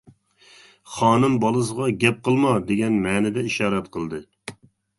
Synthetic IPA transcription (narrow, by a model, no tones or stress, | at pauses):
χɑːnɨmbɑlˠɨs̬əʁɑɡʲɛp̚qəlˠmɑd̪eɡʲɛnmɛːnɪd̪ɛiʃɑːɾɛt̪̚qʰəlˠd̪ɨ